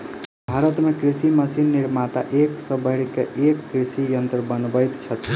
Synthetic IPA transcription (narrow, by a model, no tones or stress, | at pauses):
bʱaɾət̪mekɾisiməsinːiɾmat̪a̰ʔeksə̃bəɦɽkeʔekːɾisijənt̪ɾəbənbəjt̪t͡ʃʰət̪